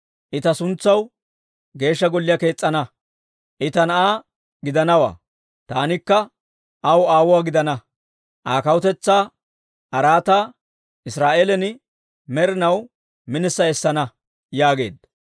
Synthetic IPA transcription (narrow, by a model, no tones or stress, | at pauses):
ʔɪt̪ɐsʊnt͡sːɐw | ɡe̞ːʃːɐɡɔlːɪjɐke̞ːt͡sʼːɐnɐ | ʔɪt̪ɐnɐʔaː | ɡɪd̪ɐnɐwa̰ː | t̪aːnɪkːɐ | ɐwaːwʊwaːɡɪd̪ɐnɐ | ʔaːkɐwʊt̪ɛt͡sːaː | ʔɐɾaːt̪aː | ʔɪsɾaːʔeːlɛnɪ | mɛɾɪnɐw | mɪnɪsːɐɛsːɐnɐ | jaːɡe̞̰ːd̪ɐ